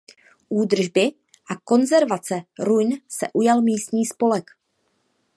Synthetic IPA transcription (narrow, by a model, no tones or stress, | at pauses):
ʔuːd̪r̩ʒbɪ | ʔako̞nzɛɾvat͡sɛɾujnsɛ̰ʔujalmiːst̪ɲiːspo̞lɛk